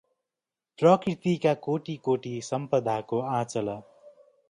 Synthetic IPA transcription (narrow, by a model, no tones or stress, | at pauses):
prʌkrit̪ikakoʈikoʈisʌmpʌd̪ʱakoãt͡sʌlʌ